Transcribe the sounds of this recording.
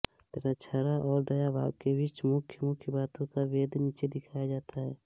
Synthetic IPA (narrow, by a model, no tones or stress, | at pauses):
t̪eːɾat͡ʃʰaɾaʔɔːɾd̪ɐjaba̰ːb̚kebɪt͡ʃmʊkʰjəmʊkʰjəbaːt̪õkaʋeːd̪ʱniːt͡ʃed̪ɪkʰaːjad͡ʒaːt̪ʰaɦɛː